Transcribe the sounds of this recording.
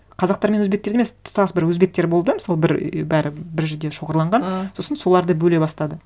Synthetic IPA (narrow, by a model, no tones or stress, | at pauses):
qʰɑzɑq̚t̪ɑɾmenwɵzbekt̪e̞ɾemest̪ʰʊ̥t̪ʰɑsbɪɾwɵzbe̞k̚t̪e̞ɾbo̞lˠd̪əmɪsɑlˠəbɪɾbæɾɪbɪɾʒʏd̪e̞ʃo̞ʁəɾlˠɑɴʁɑnso̞sənso̞lˠɑɾd̪əbɵle̞bɑst̪ɑd̪ə